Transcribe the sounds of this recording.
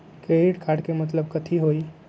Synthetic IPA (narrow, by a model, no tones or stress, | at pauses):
keɾiʈkʰaːʈkemɐt̪̬ləb̚kət̪ʰiɦoːi